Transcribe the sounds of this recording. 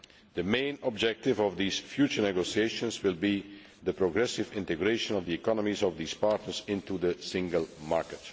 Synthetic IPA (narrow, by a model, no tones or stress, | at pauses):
ðəmẽɪ̃nɔb̚d͡ʒɛk̚tɪvɔvðiːsfjuːt͡ʃəɹnɛɡosieɪʃə̃nswɪlˠbi | ðəpɹoɡɹɛsɪvɪ̃ntɨɡɹeɪʃə̃nɔvðiɛkɑnəmizɔvd̪iːspaɹtnəɹzɪ̃ntuðəsɪ̃ŋɡəlˠmaɹkət